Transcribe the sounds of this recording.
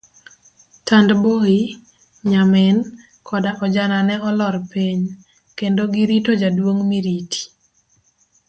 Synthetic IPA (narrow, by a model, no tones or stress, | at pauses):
tandboi | ɲamɪn | kʰɔdaʔɔd͡ʒananɛɔlɔɾpiɲ | kendoɡiɾitod͡ʒadwoŋmiɾiti̥